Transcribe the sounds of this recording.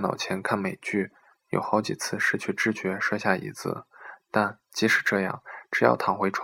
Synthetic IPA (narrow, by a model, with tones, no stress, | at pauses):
nɑ̰˨˩ʊt͡ɕʰjɛ˧˥nkʰa˥˩nme˨˩ɪt͡ɕy˥˩ | jo̰˨˩ʊxɑ˧˥ʊt͡ɕi˨˩t͡sʰɹ̩˥˧ʂɻ̩˥˧t͡ɕʰy˥˧ʈ͡ʂɻ̩˥˩t͡ɕɥɛ˧˥ʂɤ˥˧ɕja˥˩ḭ˧˥t͡sʰɹ̩̰˥˩t̪a˥˩n | t͡ɕi˧˥ʂɻ̩˧˨˩ʈ͡ʂɤ˥˧jɑ̰˥˩ŋʈ͡ʂɻ̩˧˩˥jɑ̰˥˩ʊt̪ʰɑ˨˩ŋxwe˧˥ɪʈ͡ʂʰ